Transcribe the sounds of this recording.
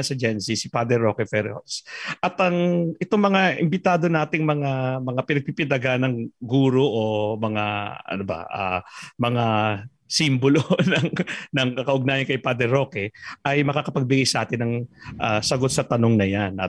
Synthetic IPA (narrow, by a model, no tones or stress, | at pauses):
sɐd͡ʒɛnsisɪpad̪ɛɾokɛfɛɾho̰sʔɐt̪ɐŋɛt̪oŋmɐŋaʔɪmbɪt̪aːd̪o̞naːt̪ɪŋmɐŋamɐŋapɪnɐɡ̚pipɪd̪ɐɡanɐŋɡuːɾo̞ʔomɐŋaɐ̰nobɐ̰ʔa̰mɐŋa | simbolonɐŋnɐŋkɐkɐʔʊɡ̚naːjɐnkɐjpad̪ɛɾo̞kɛʔɐjmɐkakɐpɐɡ̚bɪɡajsɐʔaːt̪ɪnːɐŋʔasɐɡo̞t̪̚sɐt̪ɐno̞ŋnɐjanʔɐ̰